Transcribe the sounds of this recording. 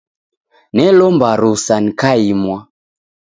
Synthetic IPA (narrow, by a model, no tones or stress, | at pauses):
nɛlɔmbaɾusanikaimwa